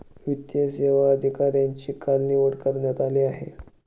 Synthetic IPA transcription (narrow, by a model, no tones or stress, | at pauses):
ʋit̪jəseʋaəd̪ʱikaɾjaɲt͡ɕiːkalniːʋəɽkəɾɳjat̪aliːaɦḛ